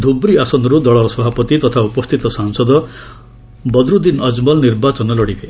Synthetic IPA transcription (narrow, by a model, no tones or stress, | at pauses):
d̪ʱubɾiasɔnd̪ɔɾud̪ɔɭɔɾɔsɔbʱapɔt̪it̪ɔt̪ʰaupɔst̪ʰit̪ɔsaŋsɔd̪ɔ | bɔd̪ɾud̪inʌd͡zmɔlniɾbat͡ʃɔnɔlɔɽid̪e